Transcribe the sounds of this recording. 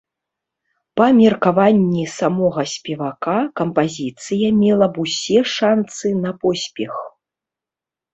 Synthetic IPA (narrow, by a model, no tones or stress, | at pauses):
pɐmʲɛrkavanʲːisamɔɣɐsʲpʲɛvakakɐmpazʲit̪sɨjɐmʲɛlˠɐbusʲɛʂansɨnɐpɔsʲpʲɛx